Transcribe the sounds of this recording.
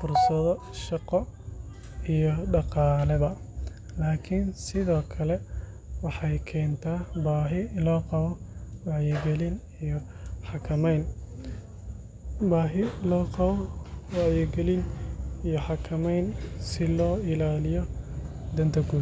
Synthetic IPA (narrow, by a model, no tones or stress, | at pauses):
fʊrsɐðɔʃɑqɔ | ijɔɖɑqɑːlɛβɐ | laːkʰɪnsɪðɔːkʰɐlɛ | wɑħɑjkʰɛːnt̪ʰaːbaːɦɪlɔːqɑβɔwɑʕjɛɡɛlɪn | ijɔħɑkʰɐmɛjn | baːɦɪlɔːqɑβɔwɑʕjɛɡɛlɪnijɔħɑkʰɐmɛjnsɪlɔːɪlaːlɪjɔ | d̪ɐnt̪ʰɐɡuː